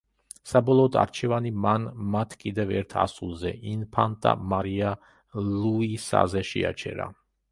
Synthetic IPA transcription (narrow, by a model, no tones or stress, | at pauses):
sabɔlˠɔːd̪a̰ɾt͡ʃʰɛvanimanmat̪ʰkʼid̪ɛvɛɾt̪ʰa̰sulˠzɛ̰ʔinpʰant̪ʼa̰maɾia | luisa̰zɛʃɛ̰a̰t͡ʃʰɛ̰ɾa̰